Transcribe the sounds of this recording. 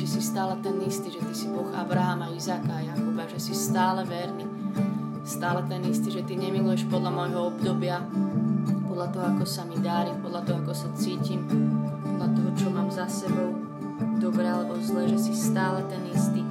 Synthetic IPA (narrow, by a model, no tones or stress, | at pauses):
ʒɛsist̪aːlɛt̪ɛnist̪iːʒɛt̪isibɔɣa̰bɾaɦamaizaːkaːjakubaʒɛsist̪aːlɛʋɛɾni | st̪aːlɛt̪ɛnist̪iʒɛt̪iɲɛmilujɛʃpɔd̪lamɔjɦɔɔbd̪ɔbɪa | pɔd̪lat̪ɔɦɔakɔsamid̪aɾimpɔd̪lat̪ɔɦɔakɔsat͡siːcimpɔd̪lat̪ɔɦɔt͡ʃɔmaːmzasɛbɔʊ | d̪ɔbɾɛːalɛbɔzlɛːʒɛsist̪aːlɛt̪ɛnist̪i